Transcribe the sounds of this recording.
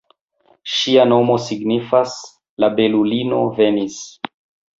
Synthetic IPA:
ʃiano̞mo̞siɡnifas | labe̞lulino̞ve̞nis

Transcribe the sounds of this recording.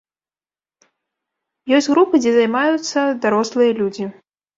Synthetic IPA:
jɔsʲtʲɣɾupɨd͡zʲɛzajmajut̪sːɐd̪aɾɔslˠɨjɐlʲud͡zʲi

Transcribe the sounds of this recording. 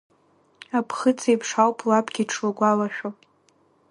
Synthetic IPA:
apʰχɨt͡sʰejpʰʂawpʰlapʰʼɡʲiʈ͡ʂʰwaɡʷalaʃᶣo

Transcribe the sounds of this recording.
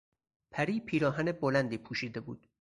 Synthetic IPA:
pʰæɾiːpʰiːɾɒːɦænebolænd̪iːpʰuːʃiːd̪e̞bṵːd̪̥

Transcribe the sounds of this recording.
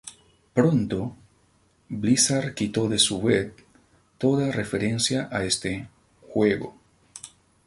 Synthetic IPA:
pɾont̪o | βlisaɾkit̪o̞ðesuβet | t̪o̞ðarefeɾe̞nsjaʔaest̪e | xweɣo̰

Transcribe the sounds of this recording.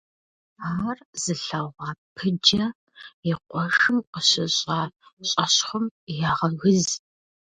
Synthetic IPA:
aːrz̥ɨɬɐʁʷɑːpʰɨd͡ʒɐ | ɪqʷɔʂɨmqəɕɪɕʼɑːɕʼɐɕχʷʊmjaːʁɐɣɨz

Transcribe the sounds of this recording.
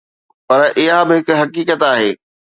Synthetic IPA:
pɐɾʔɪɦabɪɦɪkɦɐkiːkət̪aːɦeː

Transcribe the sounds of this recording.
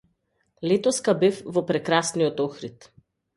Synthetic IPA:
lɛt̪ɔskabɛfvɔpɾɛkɾasnijɔt̪ɔxɾit̪

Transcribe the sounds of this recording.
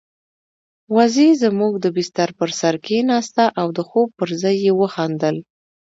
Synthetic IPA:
wazezəmuɡ̚d̪əbɪst̪aɾpəɾsaɾkenɑst̪aʔawd̪əxob̚pəɾzɑjːewəxɑnd̪əl

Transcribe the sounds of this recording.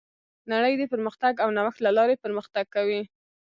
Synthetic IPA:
naɽəjd̪əpəɾməxt̪aɡawnawaxt̪lalɑɾepəɾməxt̪aɡ̚kːawi

